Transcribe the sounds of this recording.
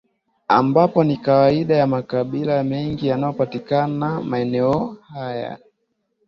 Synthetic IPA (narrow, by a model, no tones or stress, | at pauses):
ambapɔnikawaiɗajamakaɓilamɛŋɡijanaɔpatikanamaɛnɛɔhaja̰